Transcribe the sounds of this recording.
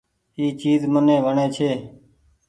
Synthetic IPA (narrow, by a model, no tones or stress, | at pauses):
iːt͡ʃiːzmənẽːʋəɳeːt͡ʃʰeː